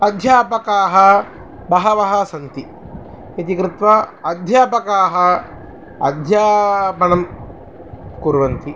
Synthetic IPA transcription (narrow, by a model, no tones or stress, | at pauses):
ɐd̪ʱjaːpɐkaːɦɐ | bɐɦɐʋɐɦɐsɐnt̪i | it̪ikɾɪt̪ʋɐɐd̪ʱjaːpɐkaːɦɐ | ɐ̰d̪ʱjaːpɐnɐm | kuːɾʋɐnt̪i